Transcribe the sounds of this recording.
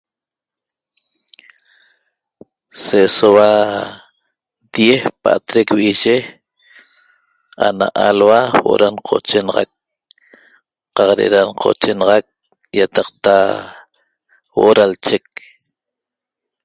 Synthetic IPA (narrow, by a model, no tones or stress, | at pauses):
sesowa | d̪̥jehpa̰ʔt̪ɾekwiʒe | a̰na̰ʔalwawo̰ʔo̰ɾanqʰot͡ʃenɑʁɑ̰k̚ | qɑqɾeʔeɾanqʰo̰t͡ʃenɑʁɑk̚ | jat̪ɑq̚t̪a | wo̰ʔoɾalt͡ʃek̚